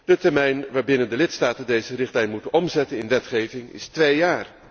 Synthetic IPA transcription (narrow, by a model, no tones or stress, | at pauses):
d̥ətɛɹmɛjnʋaːɹbɪnəndəlɪtstaːtəndejzərɪχtlɛjnmutənɔmzɛtənɪnʋɛtχejvɪŋɪ̰stʋejjaːr